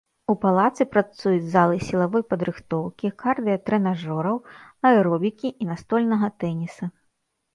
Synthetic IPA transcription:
upalˠat̪sɨpɾat̪sujud͡zʲzalˠɨsʲilˠavɔjpɐd̪ɾɨxt̪ɔwkʲikard̪ɨjɐt̪ɾɛnaʐɔɾɐwnɐɛɾɔbʲikʲiinast̪ɔlʲnɐɣɐt̪ɛnʲisɐ

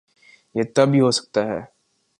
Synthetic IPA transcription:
jeːt̪ɐbʱɦiɦosɐ̥k̚t̪aɦɛː

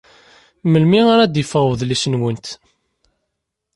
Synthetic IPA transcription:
məlmiaɾæd̪jəfəʁwəðlisənwənt̪

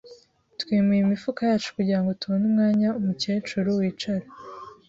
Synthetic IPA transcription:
twiːmijimifukajaːt͡ʃu̥kuɟiɾaŋɡo̞tuβonumŋaːɲaumuce̞ːt͡ʃuɾuwiːt͡ʃaɾa

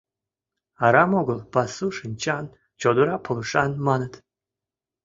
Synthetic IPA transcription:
aɾamoɡɨlˠb̥asuʂɨnʲt͡ʃʰan | d͡ʒʰod̪uɾapʰɨlˠɨʂanmanɨt̪

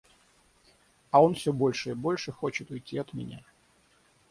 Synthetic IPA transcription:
ɐo̞nfsʲobo̞lʲʂɨɪbo̞lʲʂɨxo̞t͡ɕɪt̪ʊjtʲːiɐt̪mʲɪ̰nʲa̰

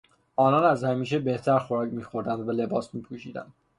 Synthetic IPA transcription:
ʔɒːnɒːnæzhæmiːʃ̬e̞be̞ht̪ʰæɾxo̞ɾɒːcmiːxo̞ɾd̪ænd̪væle̞bɒːsmiːpʰuːʃiːd̪æ̰nd̪

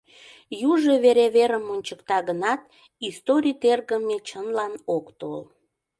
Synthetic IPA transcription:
juʒeβeɾeβeɾəmunʲt͡ɕəkt̪ɑɣənɑt̪̚ | ist̪oɾʲijt̪erɣəmet͡ɕənlɑnokt̪ol

